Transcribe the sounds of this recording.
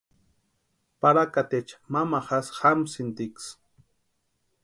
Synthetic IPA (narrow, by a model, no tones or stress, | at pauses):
paɾakat̪et͡ʃḁmamaχasxamsint̪iks